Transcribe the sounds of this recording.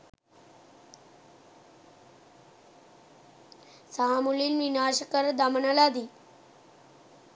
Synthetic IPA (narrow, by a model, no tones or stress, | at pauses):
saɦamuliːnʋinaːɕəkəɾd̪amənəlad̪i